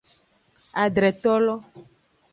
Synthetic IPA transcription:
a˨ɖ̪ɾɛ˨t̪ɔ˦lɔ˦

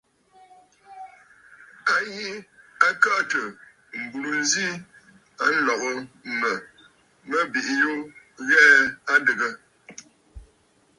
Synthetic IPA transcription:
a˦ji˦a˦kaː˦˨tə˨ | m̩˨bu˨lu˨n˦zi˦ | a˦n̩˦lɔ˨ɣə˦mə˨ | mə˦bi˨ʔi˦jo˦ | ɣɛ˦a˦dɨ˨ɣə˦

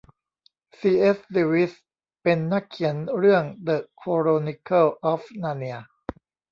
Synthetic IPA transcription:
siː˧ʔe˦˥sdiː˧wi˦˥s | pe˧nːa˦˥˩kʰːi˩˦ənɾɯ˥˩əŋd̪ɤ˨˩kʰːoː˧ɾoː˧ni˧kʰɤ˥˩wʔɔː˦˥fnaː˧ni˧ɐ

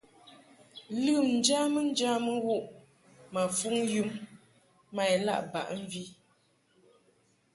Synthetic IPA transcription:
lɨ˦˨mn̩˨˦d͡ʒa˦mə˦n̩˦d͡ʒa˦mə˦wo˦ʔ | ma˨fu˦ŋju˦mː | a˨jla̰˦˨ʔba̰˨ʔɱ̩˦˨vi˦

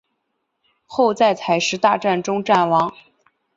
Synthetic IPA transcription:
xo˥˧ʊt͡sa˥˩ɪt͡sʰa˨˩ɪʂɻ̩˧˥t̪a˥˧ʈ͡ʂa˥˩nʈ͡ʂʊ˥ŋʈ͡ʂa˥˩nwɑ˧˥ŋ

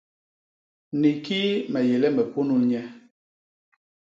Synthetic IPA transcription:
ni˨ki˦mɛ˨je˨lɛ˦mɛ˨pu˦nu˦lɲɛ˦

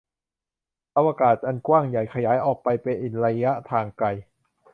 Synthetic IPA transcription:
ʔa˧waː˧kaː˨˩t̪̚ʔa˧nkwaː˥˩ŋja˨˩jkʰa˧jaː˩˦jʔɔː˨˩k̚pa˧jpe˧nʔe˨˩nɾa˧jːa˦˥ʔt̪ʰaː˧ŋka˧j

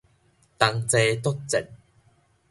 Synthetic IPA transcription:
t̪a˧ŋt͡se˧t̪o˥t̚t͡sɛ̰˨˩n̚

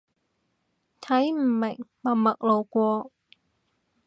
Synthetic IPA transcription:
t̪ʰɐ˨˥jm̩˨˩mɪ˨˩ŋmɐ˨˩mɐ˨k̚lo˨˩wkʷɔː˧

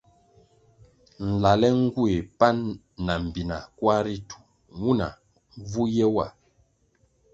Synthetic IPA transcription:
n̩˨la˨lɛ˦ŋ̩˦ɡu˦e˨pa˦nː | a˨m̩˨bi˨na̰˨kwa˦ɾi˦tu̥˨ | ŋu˦na̰˨ | vu˦jɛ˦wa˨

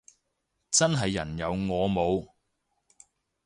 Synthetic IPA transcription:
t͡sɐ˥nɦɐ˨jːɐ̰˨˩njɐ˨˧wŋɔː˨˧mo˨˧w

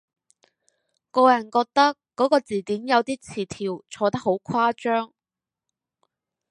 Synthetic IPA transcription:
kɔː˧jɐ˨˩nkɔː˧k̚t̪ɐ˥kːɔː˨˥kɔː˧t͡siː˨˩t̪iː˨˥mjɐ˨˧wt̪iː˥t͡sʰiː˨˩t̪ʰiː˨˩wt͡ʃʰɔː˧t̪ɐ˥k̚ho˨˥wkʷʰwaː˥t͡ʃœː˥ŋ

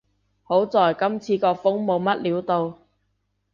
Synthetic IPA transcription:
ho˨˥wt͡sɔː˨jkɐ˥mt͡sʰiː˧kɔː˧fʊ˥ŋmo˨˧wmɐ˥t̚liː˨˥wt̪o˧w

